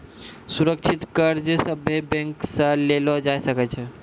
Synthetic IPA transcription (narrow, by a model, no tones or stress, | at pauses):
suɾəkt͡ʃʰit̪kəɾd͡ʒesəbʱebɛ̃ŋksə̃lelɔd͡ʒajsəkɛt͡ʃʰɛ